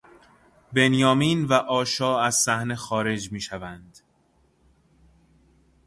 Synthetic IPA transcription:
be̞njɒːmiːnvæʔɒːʃɒːæz̥sæhne̞xɒːɾe̞d͡ʒmiːʃævænd̪̥

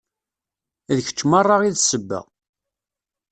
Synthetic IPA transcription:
ðəçə̥t͡ʃːmɑrˤːɑʁiðsəbːæ̰

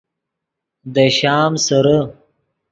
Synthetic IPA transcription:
d̪əʃɑːmsaɾa

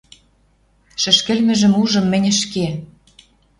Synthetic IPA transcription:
ʃɘ̆ʃkɘ̆lmɘ̆ʒɘ̆muʒɤ̆mːɘ̆nʲɘ̆ʃke

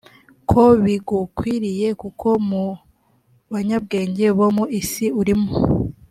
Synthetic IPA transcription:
kʰo̞βiɡukwiːɾije̞kukʰo̞mu | βaɲab̚ɡe̞ːɲɟe̞βomuisiuɾimo

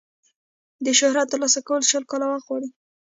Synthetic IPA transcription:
d̪əʃʊhɾat̪ːəɾlɑsakawəlʃəlkɑlawaxwɑɽi

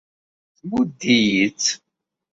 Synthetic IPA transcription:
θmud̪ːijit͡sː

